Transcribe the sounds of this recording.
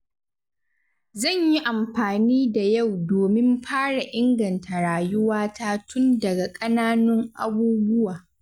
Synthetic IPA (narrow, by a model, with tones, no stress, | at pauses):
zɐ˦˨ɲji˦ʔa˨mɸaː˨niː˦da˨ja˦˨wdoː˨mɪ˦mɸʰaː˦ɽa˨ʔɪ˦ŋɡɐ˨ntʰa˨ɽaː˨jʊ˦waː˦tʰaː˦tʰʊ˦ndɐ˨ɡa˨kʼɐ˦naː˦nʊ˦ŋʔa̰˦buː˦bʊ˦waː˨